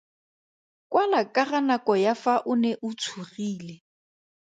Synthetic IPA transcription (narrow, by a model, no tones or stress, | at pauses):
kʼwalakʼaɣanakʼɔjafaʔʊnɛʔʊt͡sʰuriːlɛ